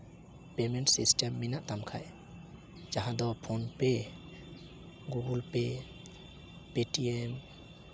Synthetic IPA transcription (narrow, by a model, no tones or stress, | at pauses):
pementsistemːinaʔt̪amkʰa̰j | d͡ʒaɦãd̪ɔpʰonpe | ɡuɡulpe | petiem